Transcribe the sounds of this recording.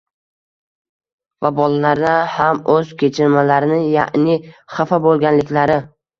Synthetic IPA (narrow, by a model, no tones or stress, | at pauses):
vabɒlalaɾd̪ahamɵz̥kʲʰe̞t͡ʃʰɪɾmalaɾɪnɪŋja̰ʔnɪχafabolˠɡʲanlɪkʲlaɾɪ